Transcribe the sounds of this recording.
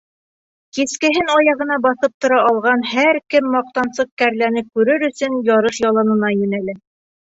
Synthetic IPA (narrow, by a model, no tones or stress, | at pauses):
kiskɘ̆ɦɘnɑjɑʁɤ̆nɑbɑθɤp̚t̪ŏɾɑʔːlˠʁɑnhæɾkɘmːɑq̚t̪ɑnsɤq̚kæɾlænɘp̚kʉɾɘɾɵ̆sɵnjɑɾɤʃjɑlˠɑnɤ̆nɑjɵ̆nælɘ